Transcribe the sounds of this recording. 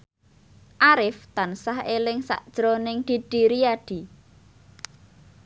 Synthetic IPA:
ʔaɾɪft̪ansaɦelɪŋsa̰ʔd̥ʒ̥ɾonɪŋd̪̥i̤ɖ̪̥i̤ɾiaɖ̥i̤

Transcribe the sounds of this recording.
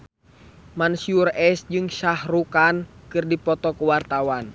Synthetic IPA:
mansiurɛsd͡ʒɨŋʃahɾukankɨrdipɔt̪ɔkuwart̪awan

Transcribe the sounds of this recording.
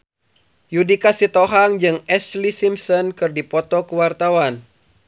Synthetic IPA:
judikasit̪ɔɦaŋd͡ʒɨŋɛslisimsɔnkɨrdipɔt̪ɔkuwart̪awan

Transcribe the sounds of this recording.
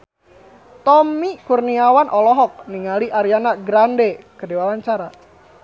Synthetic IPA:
t̪ɔmikurniawanʔɔlɔɦɔk̚niŋaliʔaɾianaɡɾandekədewawaɲt͡ʃaɾa

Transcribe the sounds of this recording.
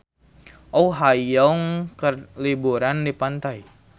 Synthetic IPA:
ɔuɦajɔŋkərlibuɾandipant̪ai

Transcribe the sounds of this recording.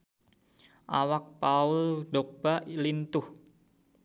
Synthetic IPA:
ʔawak̚pauldok̚b̥alint̪ʊh

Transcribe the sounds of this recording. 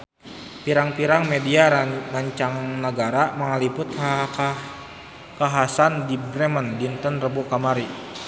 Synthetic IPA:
piɾaŋpiɾaŋmediamaɲt͡ʃaŋnəɡaɾamaŋalipʊt̪̚a | kaɦasandibɾɛməndint̪ənrəbukamaɾi

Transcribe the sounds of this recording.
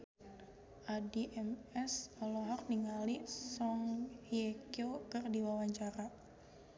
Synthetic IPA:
ʔadiʔɛmɛsɔlɔɦɔr̚niŋalisɔŋhiekiokərdiwawaɲt͡ʃaɾa

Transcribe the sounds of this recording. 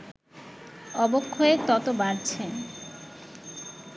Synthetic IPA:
ɔbokʰːoet̪ɔt̪obaɾt͡ɕʰe

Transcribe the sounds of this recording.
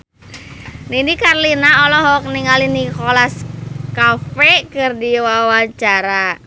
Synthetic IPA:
ninikarlinaɔlɔɦɔk̚niŋalinikɔlaskafɛkɨrdiwawaɲt͡ʃaɾa

